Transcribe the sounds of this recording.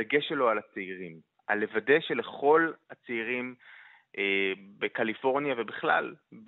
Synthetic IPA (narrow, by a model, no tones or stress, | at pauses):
eɡe̞ʃelo̞alat͡seiʁim | a̰le̞vade̞ʃe̞le̞χo̞lhat͡seiʁim | ʔebekalifo̞ʁnjave̞biχla̰lb